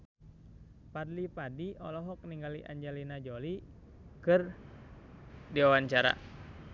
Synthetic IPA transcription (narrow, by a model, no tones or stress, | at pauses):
padlipadiɔlɔɦɔk̚niŋɡaliʔa̰ɲd͡ʒalinad͡ʒɔli | kɨr | diwawaɲt͡ʃaɾa̰